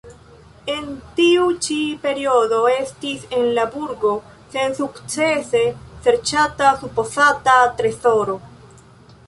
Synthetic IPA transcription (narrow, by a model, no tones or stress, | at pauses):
e̞ntiut͡ʃipe̞ɾio̞do̞e̞stise̞nlabuɾɡo̞ | se̞nsukt͡se̞se̞se̞ɾt͡ʃatasupo̞satat̪ɾe̞so̞ɾo̞